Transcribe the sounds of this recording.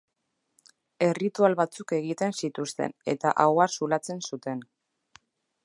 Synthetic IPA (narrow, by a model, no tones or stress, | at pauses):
e̞rit̪ualβat͡suke̞ɣ̞it̪e̞nsit̪ust̪e̞̰ne̞̰t̪aʔawasulat͡se̞nsut̪e̞n